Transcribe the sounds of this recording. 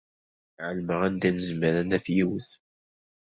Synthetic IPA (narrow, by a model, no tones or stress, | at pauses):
ʕəlməʁænd̪ænəzməɾænæfjiwəθ